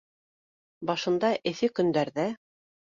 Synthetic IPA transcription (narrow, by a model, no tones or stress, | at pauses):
bɑʃɤ̆nd̪ɑʔɘ̆θɘkɵ̆nd̪æɾðæ